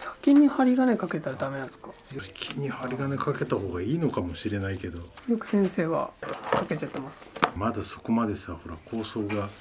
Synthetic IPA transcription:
sḁkʲĩɲ̟ːihaɾʲiɡane̞kake̞t̪aɾad̪ame̞nãne̥skḁ | jokʲʰiɲ̟ːihaɾʲiɡanekake̞t̪aho̞ːɡaiːno̞kamo̞ɕiɾe̞naike̞d̪o̞jokɯ̟̥sẽ̞ɰ̃se̞ːβa̰kake̞t͡ɕat̪ːe̞masɨ̥mad̪aso̞̥ko̞mad̪e̞saho̞ɾa̰kʰo̞ːso̞ːɡa

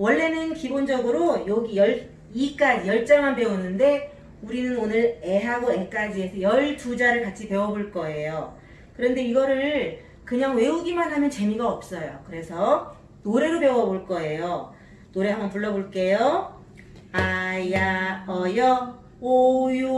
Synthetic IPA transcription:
wʌɭːe̞nɯnkibond͡ʑʌɡɯɾojoɡijʌɭ | ik͈ad͡ʑijʌɭt͡ɕ͈aŋmanpe̞unːɯnde̞ | uɾinɯnonɯɾe̞ɦaɡoek͈ad͡ʑiesʰʌjʌɭtud͡ʑaɾɯɭkat͡ɕʰipewʌboɭk͈ʌe̞jo | kɯɾʌnde̞iɡʌɾɯɭ | kɯɲaŋwe̞uɡimanɦamjʌnt͡ɕe̞miɡaʌp̚s͈ʌjokɯɾe̞sʰʌ | noɾe̞ɾopjewʌboɭk͈ʌe̞jo | noɾe̞ɦambʌnpuɭːʌboɭk͈e̞jo | ajaʌjʌ | ojo

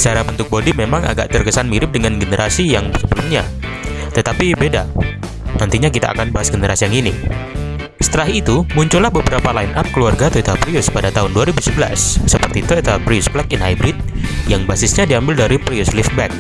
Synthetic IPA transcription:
t͡ʃaɾabənt̪ʊk̚bodimemaŋa̰ɡa̰ʔt̪ərkəsanmiɾɪp̚dəŋanɡənəɾʔasijaŋsəbəlʊmɲa | t̪ət̪apibeda | nant̪iɲakit̪aʔa̰kanbaɦasɡənəɾʔasijaŋini | sə̥t̪əɾaɦit̪umuɲt͡ʃʊlahbəbəɾapalainʔap̚kəluwarɡat̪oet̪apɾiʊspadat̪aɦʊnduaɾibusəbəla̰sːəpərt̪it̪oet̪apɾiʊsplɛk̚ɪnhajbɾɪt̪̚jaŋbasɪsɲadiambɪldaɾipɾiʊslɪf̚bɛk̚

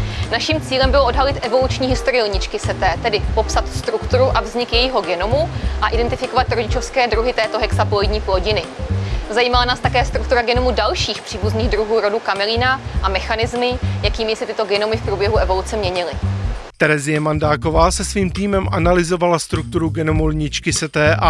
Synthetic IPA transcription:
naʃimt͡siːlɛmbɪloo̞dɦalɪt̪ʔɛvo̞lut͡ʃɲiːɦɪst̪oɾɪjlɲɪt͡ʃkɪsɛt̪ɛːt̪ɛdɪpo̞psat̪st̪ɾukt̪uɾuʔavzɲɪkjɛjiɦo̞ɡɛnomuʔaʔɪdɛnt̪ɪfɪko̞vat̪ɾoɟɪt͡ʃo̞fskɛːd̪ɾuɦɪt̪ɛːt̪o̞ɦɛksapolodɲiːplo̞ɟɪnɪzajiːmalanaːst̪akɛːst̪ɾukt̪uɾaɡɛnomudalʃiːxpr̥iːbuzniːɣd̪ɾuɦuːɾo̞duːkamɛliːnaʔamɛxanɪzmɪjakiːmɪsɪt̪ɪt̪oɡɛnomɪfpɾuːbjɛɦuʔɛvo̞lut͡sɛmɲɛɲɪlɪt̪ɛɾɛzɪjɛmandaːko̞vaːsɛsviːmt̪iːmɛmʔanalɪzovalast̪ɾuk̚t̪uɾuɡɛnomulɲɪt͡ʃkɪsɛt̪ɛːʔa

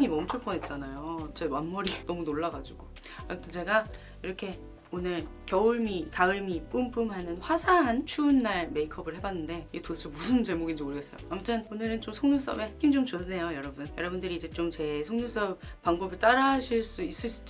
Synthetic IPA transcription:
ŋimʌmut͡ɕʰoɭpʰʌnɦet̚t͡ɕ͈anajot͡ɕe̞wanmʌɾinʌmunoɭːaɡad͡ʑiɡ̥o | amtʰɯnt͡ɕe̞ɡa | iɾʌkʰe̞ | onɯɭkjʌuɭmikaɯɭmiːp͈umpʰumhanɯnɸwasʰaɦant͡ɕʰuːnːaɭme̞ikʰʌbɯɭhe̞banːɯnde̞iɡetot͡ɕʰɯmusʰɯnt͡ɕe̞moɡind͡ʑioɭɡes͈ʌjo̰amtʰɯnonɯɾɯnt͡ɕomsʰoŋɲus͈ʌ̰be̞heɡ͈ʰimd͡ʑomt͡ɕonːe̞jojʌɾʌbɯnjʌɾʌbundɯɾiːd͡ʑe̞t͡ɕomt͡ɕe̞sʰoŋɲus͈ʌb̚ | paŋbʌbɯɭt͈aɾaɕʰiɭs͈uis͈ɯɭɕ͈i̥d͡ʑ

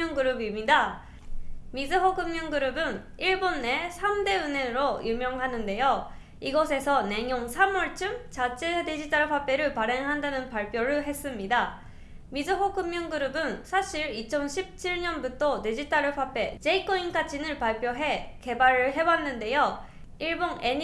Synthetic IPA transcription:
ŋɡɯɾɯbimɲida | mid͡ʑɯɸokɯmːjʌŋɡɯɾɯbɯn | iɭbonːe̞sʰamde̞ɯne̞nɯɾojumjʌŋɦanɯnde̞jo | iɡʌsʰe̞sʰʌne̞ŋjoŋsʰamʌɭt͡ɕ͈ʰɯmt͡ɕat͡ɕʰeded͡ʑit͈aɾɯɸwap͈e̞ɾɯɭpaɾe̞ŋɦandanɯnpaɭpʰjʌɾɯɭɦe̞s͈ɯmɲida | mid͡ʑɯɸokɯmːjʌŋɡɯɾɯbɯnsʰaɕʰiɾit͡ɕʰʌnɕʰip̚t͡ɕʰiɭɲʌnbutʰʌte̞d͡ʑit͈aɾɯɸʰap͈e̞t͡ɕe̞ikʰoinkʰat͡ɕʰinɯɭpaɭp͈ʰjʌɦe̞ke̞baɾɯɭɦe̞wanːɯnde̞jo | iɭboŋe̞ɲ

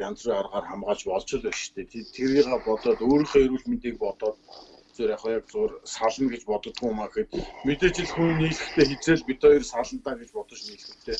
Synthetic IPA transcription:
ant͡sriːarʁaːrχamɢaːt͡ɕpɔɮt͡ɕʰɪ̆ɮʊʃt̪ʰeːt̪ʰet̪t̪ʰːeɾiːʁaːpɔt̪ɔːt̪oːɾiːχeːeɾuːɮmint̪iːk̚pɔt̪ɔːt̪ | t͡suːɾaχʊjak̚t͡sʊːrsaɮə̆mɡet͡ɕpɔt̪ɞ̆t̪̚ɡujʊmaːxĕt̪met̪eːt͡ɕɪ̆ɮxuniniːɮɘ̆xt̪ʰeːxet͡seːɮpit̪ʰɔjirsaɮə̆mt̪aːɡet͡ɕpɔt̪ɞ̆t͡ɕniːɮxɘ̆t̪ʰeː

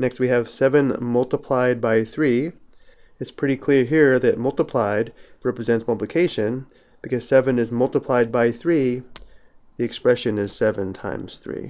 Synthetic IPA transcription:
nɛkst̚wiɨv̥sɛvɨ̃nmʌlˠtəpʰl̥aɪd̚baɪθɹi | ɨtspʰɹ̥ɪɾikʰl̥ɪɹɦiɹðɨt̚mʌlˠtəpʰl̥aɪd̚ɹɛpɹɨzɛ̃ntspʰʌblɨkʰeɪʃɨ̃n | b̥ɨkʌz̥sɛvɨ̃nɨzmʌlˠtəpʰl̥aɪd̚baɪθɹi | ðiɨkspɹɛʃɨ̃nɪz̥sɛvɨ̃ntʰã̰ɪ̃mz̥θɹḭ

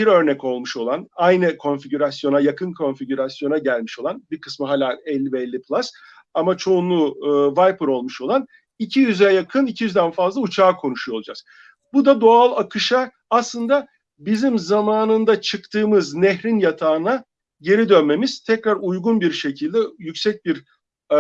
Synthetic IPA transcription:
biɾø̞ɾnɛco̞lˠmuʃo̞lˠanajnɯkʰo̞nfiɟyɾasjo̞najakʰɯnkʰo̞nfiɟyɾasjo̞naɟælʲmiʃo̞lˠanbikʰɯ̥smɯɦaːlʲaːɛlʲːibɛɛlʲːipʰlˠas | amat͡ʃʰo̞unlˠuvajpʰɯɾo̞lˠmuʃo̞lˠan | icʰijyzjɛjakʰɯnicʰijyzd̪ænfazlˠaut͡ʃʰaːkʰo̞nuʃujo̞lˠd͡ʒa̰z̥ | bud̪ad̪o̞alˠakʰɯʃaː | slˠɯnd̪a | bizimzamaːnɯnd̪at͡ʃʰɯkt̪ʰɯːmɯznɛɦɾinjat̪ʰaːna | ɟe̞ɾid̪ønme̞miz̥t̪ʰɛcɾaɾujɡunbiɾʃe̞cʰilʲd̪ɛjycsɛc̚biɾ

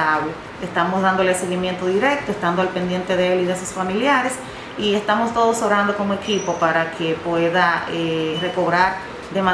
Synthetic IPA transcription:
aβo | est̪amo̞sðand̪o̞le̞se̞ɣimje̞nt̪oðiɾek̚t̪oest̪and̪oalpe̞nd̪je̞nt̪e̞ðeeliðesusfamiljaɾe̞s | ie̞st̪amo̞st̪o̞ðo̞soβɾand̪o̞ko̞moe̞kipo̞paɾakʰe̞pwe̞ðaere̞ko̞βɾaɾ | d̪e̞ma

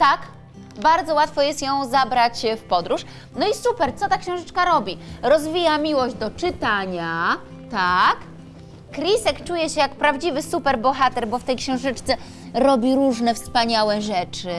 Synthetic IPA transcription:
t̪ak | baɾd̪zɔwat̪fɔjɛst̪jɔ̃w̃zabɾat͡ɕfpɔd̪ɾuʂ | nɔisupɛɾt̪sɔt̪akɕɛ̃w̃ʐɘt͡ʂkaɾɔbʲiɾɔzvʲijamʲiwɔʑd͡ʑd̪ɔt͡ʂɘt̪aɲa | t̪akː | ɾʲisɛkt͡ʂujɛɕɛjakpɾavd͡ʑivɘsupɛɾbɔxat̪ɛɾbɔft̪ɛjkɕɛ̃w̃ʐɘt͡ʂt̪sɛ | ɾɔbʲiɾuʐnɛfspaɲawɛʐɛt͡ʂɘ

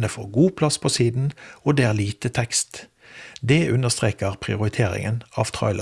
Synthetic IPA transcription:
nəfo̰ːɡuːpʰlɑspʰɔsiːd̪n̩oːd̪eːæːʁliːt̪ət̪ʰɛkst̪ | d̪eːʉnəʁst̪ʁeːkəʁpʰʁɪ̰ʊʁɪt̪ʰeːʁɪ̰ŋənɑːʋt̪ʰʁɔ̰ʏl

